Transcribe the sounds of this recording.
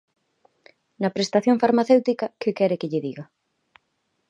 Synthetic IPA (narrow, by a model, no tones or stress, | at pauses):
nɐpɾest̪aθjõŋfaɾmaθewt̪ikakʊkɛɾɪkɪʎɪðiɣa